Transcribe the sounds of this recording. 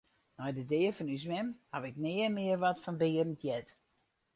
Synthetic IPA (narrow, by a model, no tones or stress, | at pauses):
nɔjdədɪəfɔnys̬mɛmhaʋɪk̚nɪəmɪərʋɔtfɔnbɪːərəntʰjɛt